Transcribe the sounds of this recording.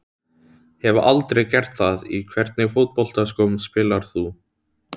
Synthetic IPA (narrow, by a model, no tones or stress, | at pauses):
hɛvʏʔalt̪ɾejɣcɛr̥t̪θaðikʰvɛɾt̪nɪɣfowt̪̚pɔl̥t̪askowmspɪːlaɾ̥θu